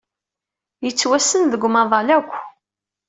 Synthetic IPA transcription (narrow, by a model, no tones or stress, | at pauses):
jət͡sːwæsənðəɡʷmɑðˤɑlækʷː